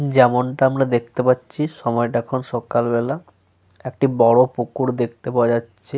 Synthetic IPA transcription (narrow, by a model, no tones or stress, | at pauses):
d͡ʑɛmonʈaamɾad̪ek̚ʰt̪epatːɕʰiʃɔmɔeʈaɛkʰonʃɔkalbɛla | ek̚ʈibɔɽopokuɾd̪ek̚ʰt̪epaoad͡ʑatːɕʰe